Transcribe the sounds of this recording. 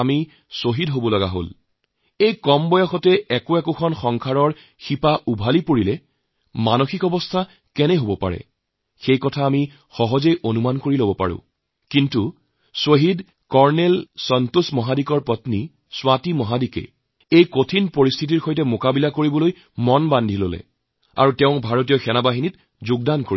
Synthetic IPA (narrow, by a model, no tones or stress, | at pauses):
ami | soɦidɦobɔlɔɡa̰ɦo̰l | ejkɔmbɔjɔxɔtɛɛkoɛkokʰɔnxɔŋkʰaɹɔɹ | xipaʔubʱalipoɹilɛ | manoxikɔbɔstʰa | kɛnɛɦobɔpa̰ɹɛ̰ | xejkɔtʰaːmi | xɔɦɔzejʔonumankoɹilobɔpa̰ɹʊ̰̃ | kintu | soɦid | kɔɹnɛlsɔntusmɔɦadikɔɹpɔtni | swatimɔɦadikɛ̰ | ejkotʰinpoɹist̪ʰit̬iɹxojt̬ɛmokabilakoɹibɔloj | mɔnbandʱilolɛ̰ | a̰ɹutɛʊ̃bʱaɹot̬ijɔxɛnabaɦinit | zʊɡ̚dankoi